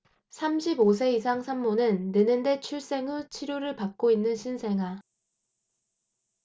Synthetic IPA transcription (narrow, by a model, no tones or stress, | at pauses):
sʰamɕʰibosʰe̞isʰaŋsʰamːonɯnːɯnɯnde̞t͡ɕʰuɭs͈e̞ŋɯt͡ɕʰiɾjoɾɯɭpak̚k͈oinːɯnɕʰinsʰe̞ŋa